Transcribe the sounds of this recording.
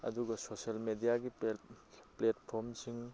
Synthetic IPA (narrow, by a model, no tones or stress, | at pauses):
ɐ̰duɡɐsoselmedijaɡi | pletpʰoɾmsiŋ